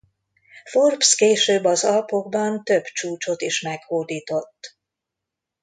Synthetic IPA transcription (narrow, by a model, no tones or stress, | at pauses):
fo̞rpskeːʃøːbːɒzɒlpo̞ɡbɒnt̪ø̞bt͡ʃuːt͡ʃo̞t̪iʃmɛkhoːd̪iːt̪o̞t̪ː